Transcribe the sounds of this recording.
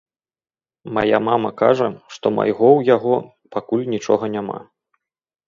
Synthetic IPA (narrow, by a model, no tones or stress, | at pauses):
ma̰ja̰mamɐka̰ʐɐʂt̪ɔma̰jɣɔwjaɣɔ | pakulʲnʲit͡ʂɔ̰ɣɐnʲama̰